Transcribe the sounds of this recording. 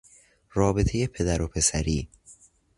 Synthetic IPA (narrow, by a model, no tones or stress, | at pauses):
ɾɒːbet̪ʰejepʰe̞d̪æɾopʰe̞sæɾiː